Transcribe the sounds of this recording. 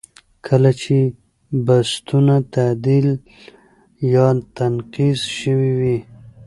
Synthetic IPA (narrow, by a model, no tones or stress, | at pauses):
kʰəlat͡ʃe | bast̪unat̪ad̪il | jɑt̪anqizʃəwiwi